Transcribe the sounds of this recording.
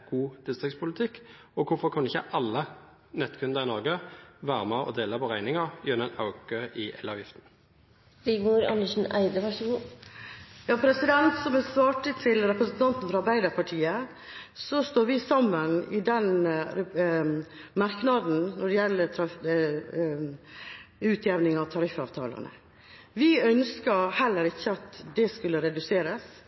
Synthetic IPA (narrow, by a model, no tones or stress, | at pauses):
ɡ̥uːt̪ʰɪst̪ɑkspʰʊlɪt̪ʰɪkː | ɔkʰʊɾfɔɾkʰɑnɪçə̰ʔɑlːə | nɛt̪ːkʰʉnd̪əʁɪnɔʁɡəʋæːʁəmɛɔ̰d̪eːlɑpʰɔʁæɪnɪŋɑʁjœnɛnɑʊɡøːʔɪʔɛlːɑʋjɪft̪n̩ | bɪɡmuɾɑ̰nəʂn̩æ̰ɪd̪əʋæʂəɡuː | jɑːpʰɾɛsɪd̪ɛnt̪sɔmɛsʋɑːʈət̪ʰɪlɾɛpɾəsnt̪ʰɑnt̪n̩fɔɾɑɑɾbæɪd̪əɾpʰɑʈʰiːə | sɔst̪oːɾʋɪsɑmːənɪd̪ɛn | mɑɾknɑd̪n̩nɔɖɛjɛlːət̪ʰɾɑ | ʉːt̪ʰjɛʋnɪŋɑʋt̪ʰɑɾɪfɑ̰ʋt̪ʰɑ̰ːlə̰nə̰ | ʋɪœnskəɾhɛlːəɾɪçːəɑt̪d̪ɛskʉlːəɾɛd̪ʉseːɾəs